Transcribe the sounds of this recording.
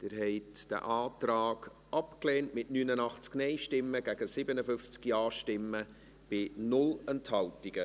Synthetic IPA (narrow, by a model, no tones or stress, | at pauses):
d̥ɪːɾɦɛɪtd̥ə̰ʔaːtraːɡ | ʔɑpkleːntmɪtnyːnənɑχt͡sknɛɪʃtɪmːəɡ̥æɡ̥əsɪbənəfʏnft͡skjɑːʃtɪmːə | b̥ɪnʊlɛnthɑltiɡ̥ə